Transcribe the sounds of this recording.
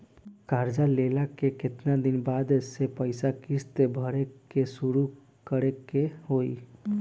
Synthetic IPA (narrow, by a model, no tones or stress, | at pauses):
kaɾd͡ʒalelakeket̪nad̪inbad̪esepəɪsakist̪ebʱəɾekesuɾu | kəɾekeɦoi